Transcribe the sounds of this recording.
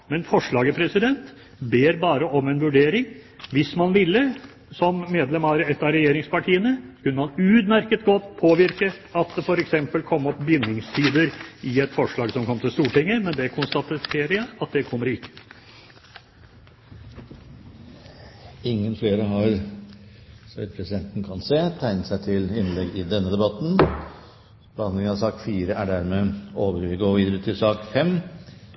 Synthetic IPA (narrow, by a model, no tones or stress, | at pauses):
mɛnfɔʂɭɑːɡəpʰɾɛsɪd̪ɛnt̪ | beːɾbɑːɾəʔɔmɛnʋʉɖeːɾɪŋ | ʋɪsmɑnʋɪlːə | sɔmːeːd̪lɛmɑːɾəɛt̪ːɑɾɛjeːɾɪŋspɑʈʰiːənəskʉnːəmɑnʉːd̪mæɾkət̪ɡɔt̪ːpʰoːʋɪɾkə | ɑt̪̚d̪ɛfɔɾɛksɛmpəlkʰɔmːɔpːbjʏnːɪŋst̪ʰiːd̪əɾɪɛt̪fɔʂɭɑːɡsɔmkʰɔmt̪ɪlst̪uːʈɪŋːəmɛnd̪ɛkʰʊnst̪ɑt̪t̪ʰeːɾəjæɪɑt̪̚d̪ɛkʰɔmːəɾɪkːə̥ | ɪŋːənfleːɾəɦɑɾ | sɔʋɪt̪̚pʰɾɛsɪd̪ɛnt̪nkʰɑnseːt̪ʰæɪnət̪sæɪt̪ʰɪlɪnlɛɡɪd̪ɛnːəd̪ɛbɑt̪n̩ | b̥əhɑnd̪lɪŋənɑsɑːkfiːɾəʔæɖæɾmeːoːʋəɾʋɪɡoːʋiːd̪əɾʉt̪ʰɪlsɑːkfɛmː